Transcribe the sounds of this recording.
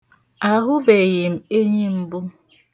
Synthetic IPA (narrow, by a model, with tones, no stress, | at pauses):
a˨ɦʊ˦be˨ɣɪ˨m̩˨e˦ɲi˦m̩˦bʊ˦